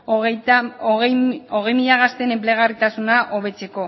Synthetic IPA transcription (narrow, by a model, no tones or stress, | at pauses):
oɣe̞jmiʎaɣast̪e̞ne̞mple̞ɣ̞arit̪asunaʔoβe̞t͡se̞ko̞